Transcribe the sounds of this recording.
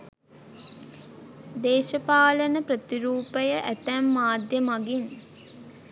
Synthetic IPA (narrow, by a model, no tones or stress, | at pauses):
d̪eːʃəpaːlənəprət̪iɾuːpəjəʔæt̪æmːaːd̪jəmaɡin